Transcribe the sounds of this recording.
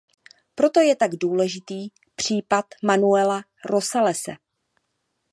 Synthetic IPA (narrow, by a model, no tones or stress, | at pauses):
pɾo̞t̪o̞jɛt̪aɡduːlɛʒɪt̪iː | pr̝̥iːpat̪manuɛla | ɾo̞salɛsɛ̰